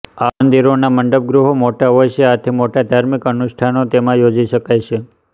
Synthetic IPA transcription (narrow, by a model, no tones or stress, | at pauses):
anənd̪iɾonaməɳɖəb̚ɡɾuɦomoʈaɦojʃeat̪ʰimoʈad̪ʱaɾmikənʊʃʈʰanot̪emãjod͡ʒiʃəkajt͡ʃʰe